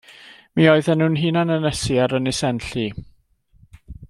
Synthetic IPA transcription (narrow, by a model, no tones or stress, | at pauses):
miɔɨðɛnuːnɦiːnanənɛsiaɾənɪsɛnɬi